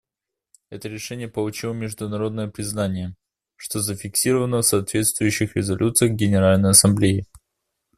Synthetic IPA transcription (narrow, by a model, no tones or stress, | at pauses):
ɛt̪əɾʲɪʂɛnʲɪjəpəlˠʊt͡ɕilˠəmʲɪʐd̪ʊnɐɾo̞d̪nəjəpɾʲɪznanʲɪjə | ʂt̪o̞zəfʲɪksʲiɾəvənəfsɐːt̪vʲe̞t̪st̪vʊjʉɕːɪxɾʲɪzɐlʲʔut̪sɨjəxɡʲɪnʲɪɾalʲnəjɐsɐmblʲeɪ